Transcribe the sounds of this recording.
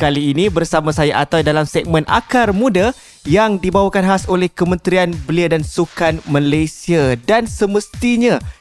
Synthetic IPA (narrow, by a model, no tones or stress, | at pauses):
kaliːnibərsamãsajaʔat̪awdalamsɛɡ̚mə̃nʔa̰karmũda | jaŋdibawakanɦasolɛhkəmə̃nt̪ɾianbəliadansukanmalajsiadansəməst̪iɲã